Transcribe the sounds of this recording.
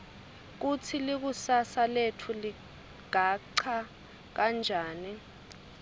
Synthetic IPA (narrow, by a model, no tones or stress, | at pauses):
k̬ut͡sʰilik̬usasaletʰuli | ɡ̥ʱaǀʰa | k̬and͡ʒʱaːni